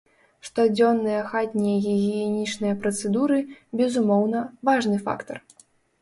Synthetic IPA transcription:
ʂt̪ɔd͡zʲɔnːɨjɐxat̪ʲnʲɛjɐɣʲiɣʲijɛnʲit͡ʂnɨjɐpɾɐt̪sɛd̪uɾɨbʲɛzumɔwnɐvaʐnɨfa̰kt̪ɐr

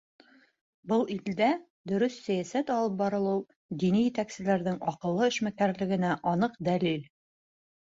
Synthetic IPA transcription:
bɤlˠild̪æ | d̪ɵ̆ɾɵsːæjæsæt̪ɒlˠɤp̚bɑɾɤlˠulˠ | d̪inijɘ̆t̪æksɘ̆læɾðɘŋɒqɤ̆lˠːɤɘ̆ʃmækæɾlɘ̆ɡɘ̆næʔɒnɤqd̪ælil

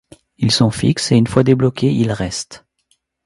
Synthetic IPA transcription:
ilsɔ̃fḭkseynfwad̪eblɔkʰʲeilʁɛst̪

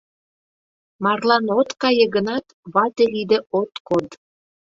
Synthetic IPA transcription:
mɑrlɑnot̪kɑjĕɣənɑt̪βɑt̪elid̪ĕot̪kod̪

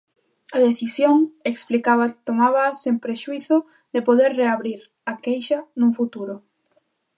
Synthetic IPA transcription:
aðeθisjoŋeksplikaβat̪omaβaːsempɾeʃuiθʊ | ðepoðeɾreaβɾiɾ | akejʃanuŋfut̪uɾʊ

